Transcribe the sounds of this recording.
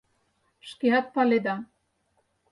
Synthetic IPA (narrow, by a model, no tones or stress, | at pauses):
ʃkeɑt̪̚pɑled̪ɑ